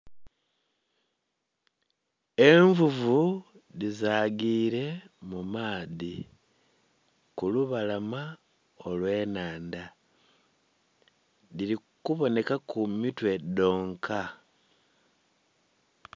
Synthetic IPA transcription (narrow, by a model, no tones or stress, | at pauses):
e̞ɱvuvu | ðizaːɡiːɾe̞mumaːði | kuluβalama | o̞lwe̞ːnaːnda | ðili | kuβo̞ne̞kakumitwe̞do̞ːŋkʰa